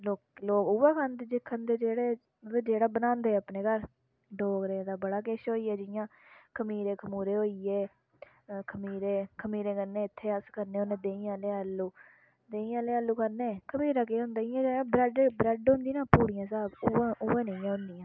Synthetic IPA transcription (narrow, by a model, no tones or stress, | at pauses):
loːkloːkʊʋeːkʰənd̪d͡ʒɪkʰːənd̪eːd͡ʒeːɽeː | d͡ʒeːɽaːbənãːnd̪eːəpneːkəɾ | ɖoːkɾẽːd̪aːbəɽaːkeːʃɦoːiːɛːd͡ʒɪjãːkʰəmiːɾeːkʰəmuːɾeːɦoːiːeː | kʰəmiːɾeːkʰəmiːɾeːkəneːɪt̪ʰːeːəskəɾnẽːoːnẽːd̪eːĩːãːleːalːuː | d̪eːĩːãːleːalːuːkʰəɾneːkʰəmiːɾaːk̬eːɦʊ̃nd̪aːijãːd͡ʒẽːbɾəɖebɾəɖɦʊ̃nd̪iːnãːpuːɽijãːsaːbʊʔʊːẽːneiãːɦʊ̃nd̪iːãː